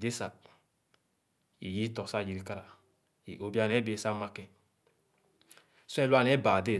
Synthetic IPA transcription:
de˦sa˨t̚ | ḭ˨ji˦tɔ˨sa˦˨d͡ʒi˨ɾi˨˦ka˦ɾa˨ | i˨ʔo˨bi˦a˦˨n˨ɛ˨˦be˨˦sa˦ma˧kɛ˨ | sɛ˦˨lu˦a˦˨n˨ɛ˨˦ba˨de˦˨

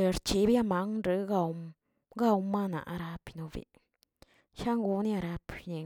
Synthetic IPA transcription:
ɾt͡ʃi˧˦bja˦ma˦ŋɾɨ˧˦ɡa˧w | ɡa˦˧wma˦na̰˨ʔa̰˧ɾa˧pi˧no˧bḭ˧˨ | ʃa˦ŋɡu˧ni˦a˧ɾa˧pne˨

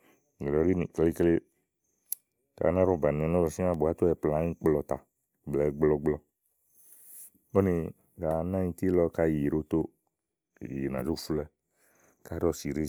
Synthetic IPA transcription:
ɡlɔ˨ɾi˦nĩ˨kle˦kle˦ | ta̰˨˦nã˦ɾɔ˦˨ba˨nẽ˨nɔ̃˦bɔ˨sĩ˦ã˦˨bo˨a˦t̪o˦ɛ˨plã˨˦ɲĩ˦k͡plɔ˧t̪a˨ | ɡ͡blɛ˨˦ɡ͡blɔ˧ɡ͡blɔ˧ | o˦ne˧ | ɡa˨nã˦ɲĩ˧t̪i˦lɔ˦ka˦je˨ɾo˦t̪o˦˨ | je˨nã̰˨d͡ʒo˦fu˦lɛ˦ | ka˦ɾɔ˦si˨ɾe˦

